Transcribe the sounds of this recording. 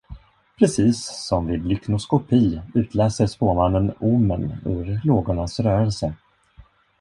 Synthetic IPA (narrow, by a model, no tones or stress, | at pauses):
pʰɾɛsiːsːɔmvɪlʏknʊskʊpʰiːʉ̟ːt̪ʰlɛːsəɾʂpoːmanːənumːə̰nɵ̰ɾloːɡʊɳasɾœːɾəlsə